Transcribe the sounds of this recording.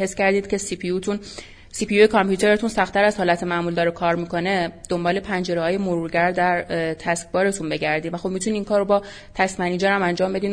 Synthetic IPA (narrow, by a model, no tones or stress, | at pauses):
hescæɾd̪iːd̪̥̚cʰe̞sipʰiut̪ʰun | siːpʰijujekʰɒmpʰjuːt̪e̞ɾe̞t̪unsæxt̪ʰæɾæzhɒːlæt̪ʰemæʔmuld̪ɒːɾekʰɒːɾmiko̞ne̞d̪̥o̞mbɒːle̞pʰænd͡ʒe̞ɾehɒːje̞moɾuɾɟæɾd̪æɾt̪ʰæsk̚bɒːɾe̞t̪ʰunbe̞ɟæɾd̪iːnvæxo̞b̚mit̪ʰuniːiŋkʰɒːɾːobɒː | t̪ʰæsmæniːd͡ʒæɾæmænd͡ʒɒːmbe̞d̪iːn